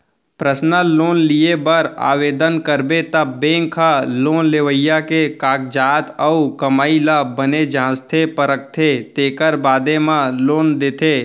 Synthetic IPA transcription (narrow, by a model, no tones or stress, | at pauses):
pɾəsnəloːnlijebəɾa̰ːʋeːd̪ənkəɾbet̪əbːẽːŋkʰaloːnleːʋəjakekaːk̚d͡ʒaːt̪əukəmaːiləbəned͡ʒãːst̪ʰepəɾək̚t̪ʰet̪eːkəɾbaːd̪emãloːnd̪eːt̪ʰe